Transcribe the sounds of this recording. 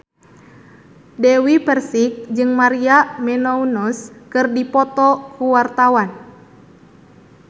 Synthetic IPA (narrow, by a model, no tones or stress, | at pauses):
dɛwipɛrsik̚d͡ʒɨŋmaɾiamɛnɔunɔskɨrdipɔt̪ɔkuwart̪awan